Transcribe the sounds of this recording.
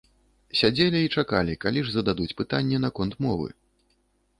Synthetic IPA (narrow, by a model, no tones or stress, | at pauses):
sʲad͡zʲelʲiːt͡ʂakalʲikalʲiʐzɐd̪ad̪ut͡sʲpɨt̪anʲːɛnakɔnt̪mɔvɨ̰